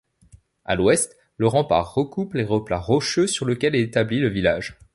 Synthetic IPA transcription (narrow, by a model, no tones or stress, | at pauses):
a̰lwɛst̪ | ləʁɑ̃pa̰ʁːəkupleʁəplaʁɔʃøsyʁləkʲɛlɛet̪abliləvilaʒ